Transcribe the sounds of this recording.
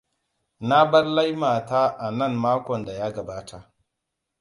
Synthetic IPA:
na˦bɐ˦rla˦jmaː˨ta˦ʔa˨nɐ˦˨mmaː˦kʷɔ˨nda˨jaː˦ɡɐ˨baː˦tʰa˨

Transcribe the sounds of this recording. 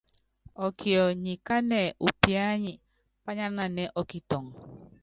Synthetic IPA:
ɔ˨kʰi˨ɔ˨ɲi˨ka˦nɛ˨u˨pi˦a˦ɲi˨ | pa˦ɲa˦na˨nɛ˨ʔɔ˨ki˨tɔ˨ŋ

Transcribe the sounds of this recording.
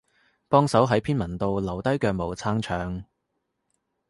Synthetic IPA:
pɔː˥ŋsɐ˨˥wɦɐ˨˥jpʰiː˥nmɐ˨˩nt̪o˨˧wlɐ˨˩wt̪ɐ˥jkœː˧k̚mo˨˩wt͡sʰaː˥ŋt͡ʃʰœː˨˧ŋ

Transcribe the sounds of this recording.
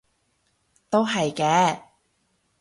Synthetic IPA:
t̪o˥wɦɐ˨jkɛː˨˧

